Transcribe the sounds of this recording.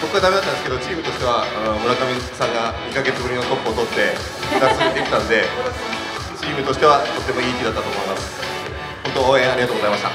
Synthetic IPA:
so̞koɡad̪ameat̪and̪esɨ̥ke̞d̪o̞t͡ɕiːmɯ̟t̪o̞ɕi̥t̪e̞βaɯmɯ̟ɾakamʲĩsãŋɡaɲ̟ikaɡe̞t͡sɨbɯ̟ɾʲinot̪o̞kːo̞ːt̪o̞t̪ːe̞ | ɯɾaksɾed̪ekʲit̪ãnod̪e̞ | t͡ɕiːmɯ̟t̪o̞ɕi̥t̪eat̪o̞t̪ːemo̞iːkʲid̪at̪ːat̪omooman | hont̪ooẽaɾiɡat̪oːɡozaimaɕi̥t̪a̰

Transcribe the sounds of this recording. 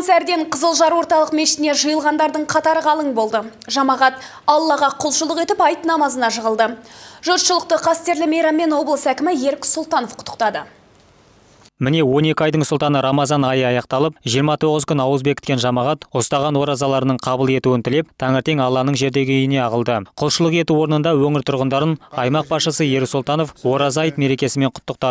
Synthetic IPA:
nsæɾd̪e̞ɴqʰəzəlˠʒɑɾwo̞ɾt̪ɑlˠəqmeʃɪ̥t̪ɪne̞ʒəjəlˠʁɑnd̪ɑɾd̪əɴqʰɑt̪ɑɾəʁɑlˠəɴbo̞lˠd̪əʒɑmɑʁɑt̪ | ɑlˠːɑʁɑqʰʊlˠʃəlˠəqe̞t̪ɪpɑjt̪nɑmɑzənɑʃəʁəlˠd̪əʒoɾʃəlˠəq̚t̪əqʰɑst̪e̞ɾlɪmejɾɑmːe̞nwo̞blˠəsækʲɪmɪje̞ɾkʲsʊlˠt̪ɑno̞fqʰʊ̥t̪ʰːə̥q̚t̪ɑd̪ə | mɪne̞wo̞ne̞kʲɪɑjd̪əɴsʊlˠt̪ɑnəɾɑmɑzɑnɑjəɑjɑqt̪ɑlˠəp̚ʒijəɾmɑt̪ʰo̞ʁəzkʲʏnɑwəzbe̞kʲɪ̥t̪kʲenʒɑmɑʁɑt̪ost̪ɑʁɑnwo̞ɾɑzɑlˠɑɾənəɴqʰɑbəlˠe̞t̪uwɪnt̪ʰɪle̞p̚t̪ʰɑŋəɾt̪e̞ŋɑlˠːɑnəɴʒe̞ɾd̪e̞ɡʲɪʏjɪne̞ɑʁəlˠd̪əqʰʊlˠʃəlˠəqe̞t̪uwo̞ɾənənd̪ɑwɵŋɪɾt̪ʰʊɾʁənd̪ɑɾənɑjmɑq̚bɑsʃəsəje̞ɾsulˠt̪ɑno̞fwo̞ɾɑzɑjt̪me̞ɾe̞kʲe̞sɪme̞ɴqʰʊ̥t̪ːəq̚t̪ɑə

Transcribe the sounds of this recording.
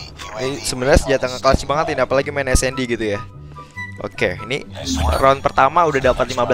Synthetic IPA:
nisəbənərsəd͡ʒat̪aŋaklasibaŋət̪iniapalaɡimaɛnɛsɛndiɡit̪uja | ʔo̰keinḭranpərt̪amaudadapat̪limab

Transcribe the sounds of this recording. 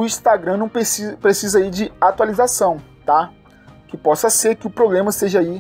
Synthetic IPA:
ʊĩst̪aɡɾɐ̃nɐ̃w̃pesipɾesizɐid͡ʒɪat̪ualizasɐ̃w̃t̪a | kɪpɔsɐseɾkɪʊpɾoblẽmɐst̪eʒɐai

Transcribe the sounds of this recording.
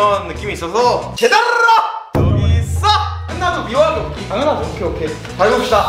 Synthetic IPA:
ʌnːɯk͈imiːs͈ʌsʰʌt͡ɕedaɾɾa | t͡ɕʌɡis͈aanːadomioɦaɡookʰitaŋʌnadoʌkʰeʌkʰe | paɭɡopɕ͈ida

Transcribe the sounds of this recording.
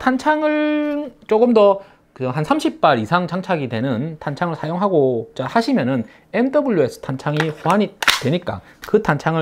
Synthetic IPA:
tʰant͡ɕʰaŋɯɭt͡ɕ͈oɡɯmdʌ | kɯʌɦansʰamɕʰip̚p͈aɾisʰaŋt͡ɕaŋt͡ɕʰaɡidwe̞nɯntant͡ɕʰaŋɯɭsʰajoŋɦaɡot͡ɕ͈ahaɕʰimjʌnɯn | e̞mdʌbuʎːjuesʰɯ̥tʰant͡ɕʰaŋiɸoaɲitwe̞ɲik͈a̰ | kɯtʰant͡ɕʰaŋɯ

